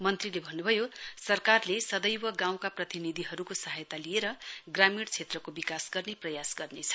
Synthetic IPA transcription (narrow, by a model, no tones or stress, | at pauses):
mʌnt̪rilebʱʌnːubʱʌjosʌrkarlesʌd̪ʌjwʌɡãw̃kaprʌt̪inid̪ʱiɦʌɾukosʌɦajt̪alijeɾʌɡramiɽt͡sʰet̪rʌkobikasɡʌrneprʌjasɡʌrnet͡sʰʌ̥